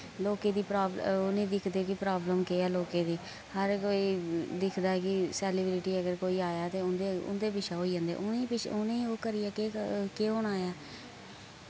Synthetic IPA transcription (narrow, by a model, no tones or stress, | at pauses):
loːkeːd̪iːpɾaːbʊnẽːd̪ɪkʰd̪eːkɪpɾaːbləmkeːɛːloːkeːd̪iː | həɾkoːiːd̪ɪkʰd̪aːɛːkɪsɛːlɪblɪʈiːəɡəɾkoːiːaːjaːt̪eːʊnd̪eʊ̰nd̪eːpɪt͡ʃʰaːɦoːiːd͡ʒãːnd̪ḛːʔʊneːpɪt͡ʃʊnẽoːkəɾɪːaːkekeːɦoːɽaːjaː